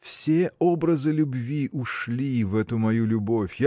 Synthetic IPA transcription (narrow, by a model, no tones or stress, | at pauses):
fsʲeobɾəzɨlʲʊbvʲiʔʊʂlʲivɛt̪ʊmɐjulʲʊbo̞fʲja